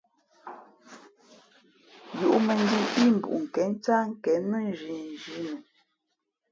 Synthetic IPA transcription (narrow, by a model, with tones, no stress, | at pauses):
ju˨ʔmə˨ŋ˦di˦i˦m˨bṵ˨ʔŋ̩˨kɛ˨˦n˦t͡sa˦ŋ̩˦kɛ˨˦nmə˦˨n˦d͡ʒi˨n˨d͡ʒi˦nu˨